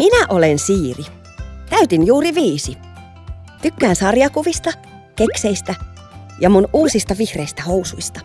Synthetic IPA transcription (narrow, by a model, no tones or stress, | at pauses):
minæʔolensiːri | t̪æyt̪injuːriʋiːsi | t̪ykːæːnsɑrjɑkuʋist̪ɑ | kekseist̪æ | jɑmunʔuːsist̪ɑʋihreist̪æhowsujst̪ɑ̥